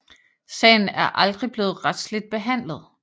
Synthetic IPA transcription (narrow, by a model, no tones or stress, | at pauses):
sɛ̰ɪn̩æɐʔɑ̈ld̥ʁib̥le̝ːð̩ˠʁad̥sle̝d̥̚b̥e̝ɦæn̰lð̞ˠ